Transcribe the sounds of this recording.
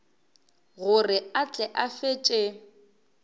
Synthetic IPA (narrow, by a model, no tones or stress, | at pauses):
ɣʊrɪat͡ɬʼɛʔafet͡ʃʼe